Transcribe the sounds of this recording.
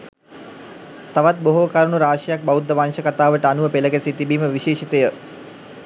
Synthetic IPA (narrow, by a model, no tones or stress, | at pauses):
t̪aʋat̪̚boɦokaɾuɳuɾaːʂijak̚baud̪ːəʋanʃəkat̪aːʋəʈəanuʋəpeləɡæsit̪ibiːməʋiʃeːʃit̪əjə